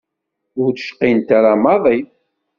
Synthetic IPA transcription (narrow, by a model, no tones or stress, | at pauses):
ʊɾθʃqːint̪aɾamɑðˤi